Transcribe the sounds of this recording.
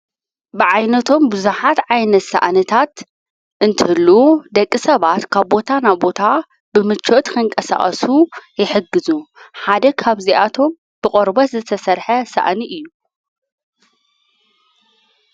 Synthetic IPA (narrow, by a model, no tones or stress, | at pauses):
bɨʕajnɐt̪ʰo̞mbɨzuħat̪ʕajnɐt̪sa̰ʔnɨt̪ʰat̪ | ʔɨnt̪ʰɨhɨlːud̪ɐkʼːisɐβat̪kʰaβbo̞t̪ʰanajbo̞t̪ʰa | b̥ɨmɨt͡ʃʰːo̞t̪kʰɨŋkʼɐsa̰χʼɐ̰sujɪħɨɡːɨzuħad̪ɐkʰaβziʔat̪ʰo̞m | b̥ɨkʼoɾbɐt̪zɨt̪ʰɐsɐɾħɐsa̰ʔniʔɨjːu